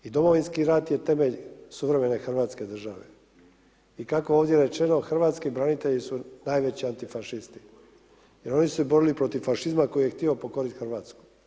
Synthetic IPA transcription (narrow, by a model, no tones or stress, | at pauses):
id̪o̞mo̞ʋinskiɾat̪je̞t̪e̞me̞ʎsuʋɾe̞me̞ne̞xr̩ʋaːt̪ske̞d̪r̩ʒaʋe̞̰ | ikako̞oːʋd̪ʲje̞ɾe̞t͡ʃe̞no̞xr̩ʋaːt̪skibɾanit̪eʎisunaːjʋe̞t͡ɕiant̪ifaʃist̪i̥ | je̞ɾo̞nisɛbo̞ɾilipɾo̞t̪iʋfaʃizmako̞jijext̪iopo̞ko̞ɾit̪xr̩ʋaːt̪sku̥